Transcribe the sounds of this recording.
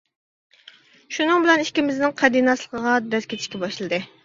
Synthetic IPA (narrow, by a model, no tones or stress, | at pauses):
ʃunɨŋbɪlɛnikʲɪmɪznɪŋqʰɛd̪ijnɑslˠəqʰəʁɑd̪ɛskʲʰet̪ʰʃkʲɛbɑʃlˠɨd̪ɨ